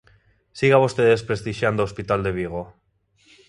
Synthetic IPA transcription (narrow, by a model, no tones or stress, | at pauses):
siɣaβost̪eðe̞spɾest̪iʃjand̪oospit̪ald̪e̞β̞iɣ̞o